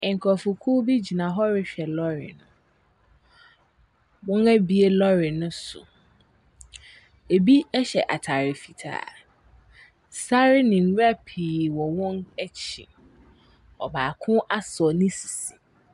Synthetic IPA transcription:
ɪ̃˨ŋ̩˨kʰɔ˨fʊ˨kʰu˦bi˦d͡ʑi˨nã˨ɦɔ˦ɾɪ˦ɕᶣɛ˨lɔ˦ɾɪ̰˨nʊ̃˨ | bʊ̃˦ŋæ˦bi˦e˦lɔ˦ɾɪ˨nʊ̃˦sʊ̰˨ | e˨bi˦ɛ˦ɕɛ˨ʔa˨tʰa˨ɾɪ˨fi˨tʰa̰ː˨ | sa˦ɾɪ˦nɪ̃˨n̩˦ɾa˦pʰiː˨wɔ˨wɔ̃˦nɛ˦t͡ɕʰḭ˨ | ɔ̰˨baː˨kʰʊ̃˦ʔa˦sɔ˨nɪ̃˦si̥˨si̥˨

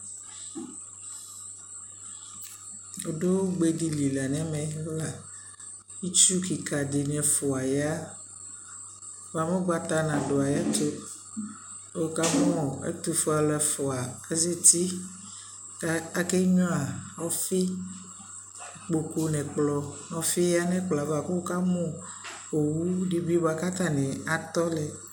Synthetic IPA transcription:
o˨ɖo˦o˦ɡ͡be˦di˦li˨la˨nɛ̃˦mɛ̃˨lo˦la˨ | i˦t͡ʃu˦ki˨ka˨de˨nɛ̃˨fɔ˨a˨ja˦ | wa˨me˦ɡ͡ba˦t̪a˦nã˨ɖo˨a˨ja˦t̪o˦ | o˦ka˦m̃ɔ̃˦˨ḛ˦t̪u˦fo˦a˨lɛ˨fɔ˨a˨ke˦ze˦t̪i˦ | a˦ke˦ɲɔ̃˦a˨ɔ˦fi˦˨ | k͡po˨ko˦nɛ̃˨k͡plɔ˨ɔ˦fi˦ja˦nɛ̃˦k͡plɔ˨a˨ba˨ke˦wo˦ka˦mɔ̃˦ | o˨wu˦ɖi˦bi˦bo˦a˦ka˦t̪a˦nɛ̃˨a˨t̪ɔ˦lɛ˨

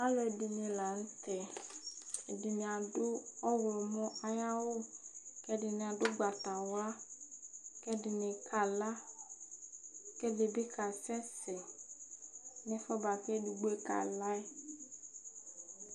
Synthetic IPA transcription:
a˦lɔ˨e˨dɪ˨nɪ̃˨la˨n̩˦t̪ɛ˨ | e˨dɪ˨nɪ˨a˨dʊ˦ɔ˦wlɔ˨mɔ̃˦a˦ja˦wʊ˦kɛ˦dɪ˨nɪ̃˨a˨dʊ˦ɡ͡ba˨ta˨wla˦ | kɛ˦dɪ˨nɪ˨kʰa˨la˦ | kɛ˦dɪ˨bɪ˦ka˨sɛ˦sɪ˨ | nɪ̃˦fɔ˦ba˨kɛ˦du˨ɡ͡be˦ka̰˨la˦

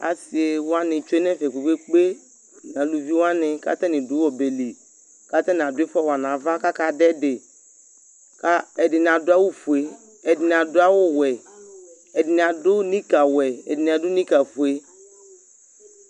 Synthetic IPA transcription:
a̰˨sɪ˨e˨wʊ˦a˦nɪ̃˨t͡ʃo˦nɛ̃˦fɛ˨ku˨ɸe˦k͡pe˦ | n˨ã˨lu˨vi˦wa˦nɪ̃˨ka̰˦t̪ɛ˦nɪ̃˨dʊ˨˦ɔ˨be˨li˨ | ka˦t̪ɛ˦n˨a˨dʊ˦ɪ˦fɔ˦wa˨nã˨va˦ka˦ka˨dɛ˦dɪ˨ | ka˦ɛ˨dɪ˨n˨ã˨dʊ˦a˦wʊ˦fu˨e˨ | ɛ˨dɪ˨n˨a˨dʊ˦a˦wʊ˦wɛ˨ | ɛ˨dɪ˨nɪ˨a˨dʊ˦nĩ˦ka˨wɛ˨ɛ̰˨dɪ˨n˨a˨dʊ˦nĩ˦ka˨fʊ˨e˦

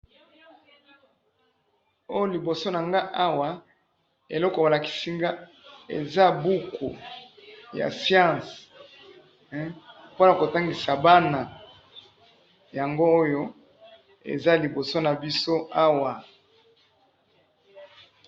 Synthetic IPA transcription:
o˦jo˦li˨bo˨so˦na˨ŋɡa˦ʔa˦wa˨ | ḛ˨lɔ˦kɔ˨a˨la˨ki̥˨si˦ŋɡa˦ | ḛ˨za˦bu˦kʰo˨ | ja̰˨sjã˦˨s | po˦na˨ko˨ta˦ŋɡi˨sa˨ba˦na˨ | ja˨ŋɡoː˦jo˦ | ḛ˨za˦li˨bo˨so˦na˨bi˦so˦a˦wa˨

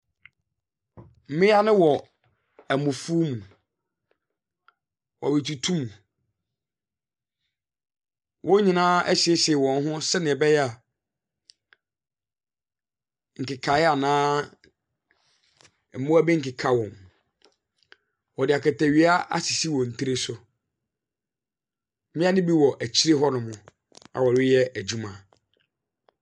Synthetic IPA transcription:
m̩˨mɪ̃˦a˦nɪ̃˦wɔ˨ | æ˨mʊ̃˨fu˦mũ˨ | wɔ̰˨wɪ˨tʰu˨tʰũ˦mũ˨ | wʔɔ̃˦ɲĩ˨nãː˦ʔæ˦ɕi˨e˦ɕwɔ̃˨n˦ɦʊ̃˦sɛ˦nɪ̃˨ɛ˨bɛ˦jɛ˦a˨ | ŋ̩˨kɪ˨kʰa˨jɛ˦a˨nãː˦˨ | mʊ̃˦æ˦bi˦ŋ̩˨kɪ˨kʰa˦wɔ̃˨n | wɔ˨dɪ˨a˨kʰɛ˨tʰæ˨ɥi˦a˦ʔa̰˦si˨si˦wɔ̃˨n̩˨tʰi˦ɾe˦sʊ˨˦ | mɪ̃˦a˦nɪ̃˦bi˦wɔ˨ʔæ˨t͡ɕʰi˦ɾe˦ɦɔ˦nʊ̃˨mʊ̃˨ | a̰˨wɔ˨ɾɪ˦jɛ˦æ˨d͡ʑu˦mã˨

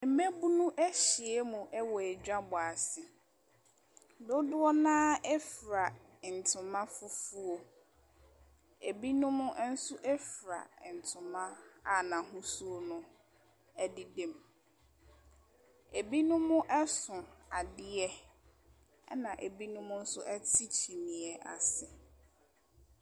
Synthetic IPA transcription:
m̩˨me˦bu˦nʊ̃˦ʔɛ˦ɕɪ˨ɛ˦mũ˨ʔɛ˦wɔ˨æ˨d͡ʑᶣa˦bʊ˨a˨sɪ˨ | dʊ˦dʊ˦ɔ˦nã˦ɛ˦fɾa˨ | n̩˨tʰʊ̃˨mã˦fʊ˦fu˦o˨ | e˨bi˦nʊ̃˦mʊ̃˦n̩˦sʊ˦ʔɛ˦fɾa̰˨n̩˨tʰʊ̃˨mã˦a˨nã˨ɦʊ̃˦su˦o˦nʊ̃˦ | ɛ˦dɪ˦dẽ˨m | e˨bi˦nʊ̃˦mʊ̃˦ʔɛ˦sʊ̃˨a˨dɪ˦ɛ˦ | ɛ̰˦nã˨ʔe˨bi˦nʊ̃˦mʊ̃˦n̩˦sʊ˦ʔɛ˦tʰi˦t͡ɕʰi˨mĩ˨ɛ˨ʔa˨sɪ˨

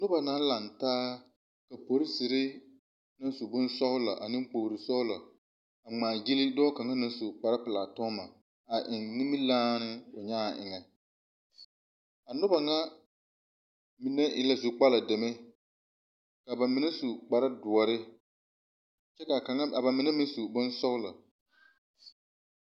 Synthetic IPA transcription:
nʊ˦ba˨naː˦la˨ntaː˦ | ka˨po˨ɾi˦zi˨ɾɪ˦ | na˦su˨bʊ˦nsɔ˦hʊ˦la̰˨ʔa˨nɪ̃˦ŋk͡po˨ɾi˨sɔ˦hʊ˦lɔ˨ | a˨ŋ͡maː˨ɡi˦li˦dɔː˦ka˨ŋa˦na˦su˨k͡pa˨ɾa˦pɪ˨laː˨tɔ˦ma˨ | a˨ʔɪ˨ŋnɪ˦mɪ˦laː˦nɪ˦ʊ˨ɲaː˦a˨ʔɪ̰˨ŋɛ˨ | a˨nʊ˦ba˨ŋa˦ | mi˨nɛ˦ʔɪ̰˨la˦zu˨k͡pa˦la˨dɛ˨mɛ˦ | ka˨ba˨mɪ˨nɛ˦su˨k͡pa˨ɾa˦dʊ˨ɔ˨ɾɪ˦ | t͡ʃɛ˦ka˨a˨a˦˨a˨mɪ˨nɛ˦mɪ˦n˦su˨bʊ˦nsɔ˦ʊ˦la̰˨

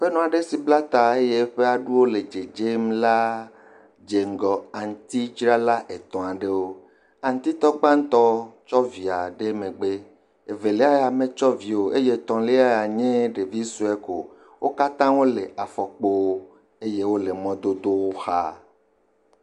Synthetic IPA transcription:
ɸe˦nɔ̃˨a˨ɖe˦si˨bla˦t̪a˨e˦je˦ɸe˦a˨ɖu˦wo˦le˨d͡ʒe˨d͡ʒe˦mla˦ | d͡ʒe˨ŋ̩˨ɡɔ˨a˨ŋ˨t̪i˦d͡ʒɾa˦la˦ʔe˨t̪ɔ̃˨a˨ɖe˦wo˦ | ã˨ŋ˦t̪i˦t̪ɔ˦ɡ͡bã˦n̩˦t̪ɔ˦t͡ʃɔ˦vi˨a˨ɖe˦mẽ˨ɡ͡be˦ | e˨ve˨le˦a˦ja˨mẽ˦t͡ʃɔ˦vi˨o˨ʔe˦je˦t̪ɔ̃˨le˦a˦ja˨ɲẽ˦ɖe˨vi˦su˦ɛ˦ko˨ | wʔo˦ka˦t̪ã˦wo˦le˨ʔa˨fɔ˨k͡po˦wo˦ | e˦je˦wo˦le˨mɔ̃˦d̪o˦d̪o˦wo˦xa˦

